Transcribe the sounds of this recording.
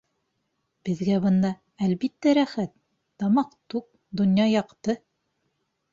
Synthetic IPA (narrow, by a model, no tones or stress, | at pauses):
b̥ɘ̆ðɡæβɤ̆nd̪ɑ | ælbit̪ːæɾæχæt̪ː | ɑmɑqt̪uk̚ | d̪ŏnjɑjɑqt̪ɤ